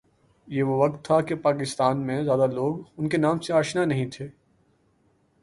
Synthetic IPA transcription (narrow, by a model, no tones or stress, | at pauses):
jeʋoʋɐk̚t̪ʰːakepaːkɪst̪aːnmẽzjaːd̪aloːɡʊnkenaːmseaːʃnanɐɦĩt̪ʰeː